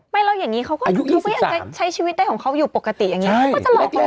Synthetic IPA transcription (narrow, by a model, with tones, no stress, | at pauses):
ma˧˩jɾa˧wjaː˨˩ŋːniː˦˥kʰa˦˥wkɔː˥˨˧u˦u˦˥a˥˩ʔːt͡ɕa˧˩˦t͡ɕʰa˦˥jt͡ɕʰiː˧i˦t̪̚da˧˩jkɔː˩˦kʰa˦˥wjuː˨˩po˨˩kːa˧t̪ḭ˨ja˨˩ŋi˦˥˦kːɔ˥˩t͡ɕa˨˩lɔː˨˩ka˧